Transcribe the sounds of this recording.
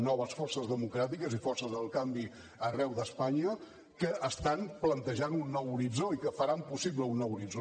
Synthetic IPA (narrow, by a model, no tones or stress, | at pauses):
nɔβ̞əsfɔrsəzðəmukɾat̪ikəzifɔrsəzðəlˠkambi | ərɛwðəspaɲə | kəʔːst̪anplənt̪əʒanunːɔwuɾid͡zoikəfəɾampusiβləunːɔwuɾid͡zo